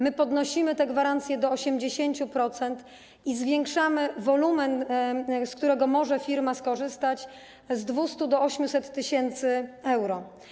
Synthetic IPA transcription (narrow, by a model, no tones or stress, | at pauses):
mɘpɔd̪nɔɕimɘt̪ɛɡvaɾant̪sʲjɛd̪ɔːɕɛmd͡ʑeɕeɲt͡ɕupɾɔt̪sɛnt̪ | izvʲjɛŋkʂamɘvɔlumɛnskt̪uɾɛɡɔmɔʐɛfʲiɾmaskɔʐɘst̪at͡ɕ | zd̪vust̪ud̪ɔɔɕmʲusɛt̪ːɘɕɛnt̪sɘɛwɾɔ